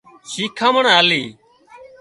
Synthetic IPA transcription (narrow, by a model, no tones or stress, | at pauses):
ʃiːkʰãːməɳaːliː